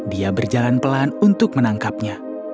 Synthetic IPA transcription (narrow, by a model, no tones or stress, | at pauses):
diabərd͡ʒalanpəlanunt̪ʊk̚mənaŋkap̚ɲa